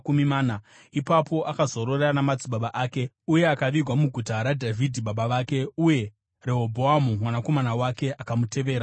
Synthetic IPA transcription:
kumimaːna | ipapo̞ʔakazo̞ɾo̞reanamad͡ziɓaɓaʔaːke̞ | uje̞akaʋirwamuɡʱutaɾadʱavʱidʱiɓaɓaʋaːke̞uje̞ | reɦobʱoamumwanako̞manawake̞ʔakamute̞ʋe̞ːɾa

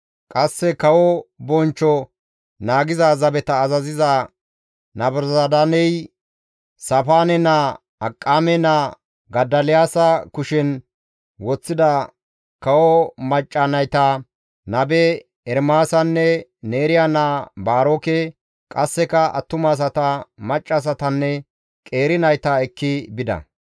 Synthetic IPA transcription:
kʼɐsːɛkɐwɔbɔnt͡ʃːɔ | naːɡɪzazɐbɛt̪ɐːzɐzɪzɐ | nɐbɾzad̪anɛj | sɐfaːnɛna | ɐkʼːaːmɛna | ɡɐd̪ːɐlɪjaːsɐkʊʃɛn | wɔt͡sːɪd̪ɐ | kɐwɔmɐt͡ʃʼːɐnɐjt̪ɐ | nɐbɛ | ɛɾmaːsɐnːɛne̞ːɾɪjanabaːɾoːkɛ | kʼɐsːɛkɐɐ̰t̪ːʊmaːs̬ɐt̪ɐmɐt͡ʃʼːas̬ɐt̪ɐnːɛ | kʼe̞ːɾɪnɐjt̪ɐɛkːɪbɪd̪ɐ̰

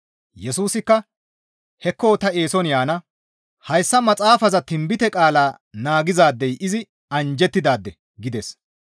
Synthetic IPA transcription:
jɛsuːsɪkːɐ | hɛkːoːt̪ɐe̞ːsɔnjaːnɐ | hɐjsːɐmɐt͡sʼaːfɐzɐt̪ɪmbɪt̪ɛkʼaːlaː | naːɡɪzaːd̪ːɛjʔɪzɪ | ɐnd͡ʒɛt̪ːɪd̪aːd̪ːɛ | ɡɪd̪ɛs

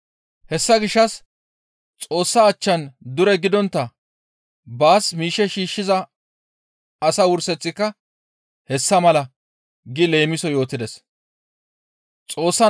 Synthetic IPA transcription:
hɛsːɐɡɪʃːɐs | t͡sʼo̞ːsːɐːt͡ʃːɐnd̪ʊɾɛɡɪd̪ɔnt̪ːɐ | baːsmiːʃɛʃiːʃːɪzɐ | sɐwʊɾsɛt͡sːɪkːɐ | hɛsːɐmɐlɐ | ɡɪle̞ːmɪsɔjo̞ːt̪ɪd̪ɛs | t͡sʼo̞ːsːɐ

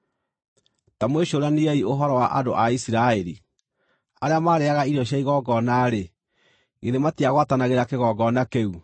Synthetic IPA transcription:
tamweɕoɾaniaioɦɔɾɔwaʔa̰doʔaisiɾaɛɾi | aɾeamaːɾeaɣaiɾiɔɕjaiɣɔɡɔnaːɾe | ɣeðematiaɣwatanaɣeɾakeɣɔɡɔnakeu

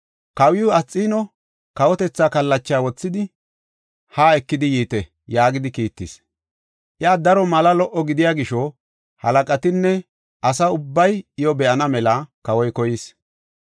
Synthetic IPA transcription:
kɐwɪjʊɐt͡sʼːiːnɔ | kɐwɔt̪ɛt͡sːaːkɐlːɐt͡ʃːjaːwɔt͡sːɪd̪ɪ | haːɛkːɪd̪ɪjiːt̪ɛ | jaːɡɪd̪ɪkiːt̪ːɪs | ʔɪaːd̪ɐɾɔmɐlɐlɔʔɔɡɪd̪ɪjaːɡɪʃɔ | hɐlɐkʼɐt̪ɪnːɛ | ʔɐsɐʊbːɐjɪjɔbɛʔɐnɐmɛlɐkɐwɔjkɔjɪs

